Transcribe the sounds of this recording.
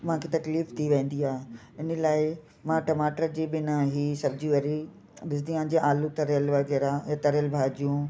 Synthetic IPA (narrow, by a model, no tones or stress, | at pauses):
mããkʰet̪ɐkliːft̪ʰiʋẽːn̆d̪iaːɦ | ɪnə̆laːɪ | mãːʈɐmaːʈəɾd͡ʑeːbɪnaɦisɐb̚d͡ʑiʋɐɾi | ɗɪsd̪iãːnd͡ʑeʔaːlũt̪ɐɾəlʋɐɣeːɾajat̪ɐɾəlbʱaːd͡ʑijũ